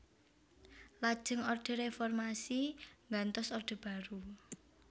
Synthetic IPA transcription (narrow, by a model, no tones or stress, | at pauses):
lad̥ʒ̥ə̤ŋɔrɖ̥e̤ɾefɔrmasiŋɡant̪ɔsɔrɖ̥̤b̥a̤ɾu